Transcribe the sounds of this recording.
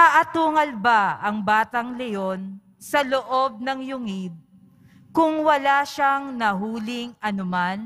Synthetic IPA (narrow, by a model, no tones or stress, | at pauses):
ʔɐʔɐt̪uːŋɐlbaɐŋbaːt̪ɐŋlɛjon | sɐloʔo̞b̚nɐŋjʊŋɪd̪̚ | kʊŋwɐlaʃaŋnɐɦuːlɪŋʔɐnʊman